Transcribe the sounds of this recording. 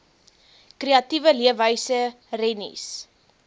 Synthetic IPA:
kreɐtivəliəvəjsə | rɛnḭs

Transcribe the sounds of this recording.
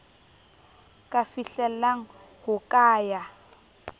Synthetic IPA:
kʼafiɬɛlaŋ̩ | hʊkʼaːja

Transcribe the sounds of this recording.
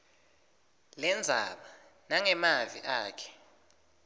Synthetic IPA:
lɛnd͡zʱaɓa | naŋɛmavḭʔaːkʰɛ̥

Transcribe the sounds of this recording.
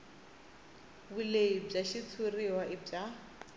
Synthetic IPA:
buleib͡ʐaʃit͡sʰuriwaʔɪb͡ʐa

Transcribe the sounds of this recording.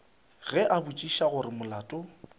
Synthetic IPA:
ɣɛʔabut͡ʃʼiʃaɣʊɾɪmʊlaːtʼʊ

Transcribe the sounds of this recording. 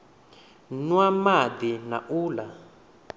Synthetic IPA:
nwamad̪ina̰ʔuːla

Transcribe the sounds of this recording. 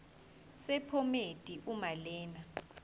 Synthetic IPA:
sɛpʰɔmed̥ʱʼiʔumalɛːna

